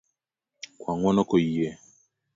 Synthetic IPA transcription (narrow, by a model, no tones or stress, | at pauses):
kwaŋwɔnɔkojie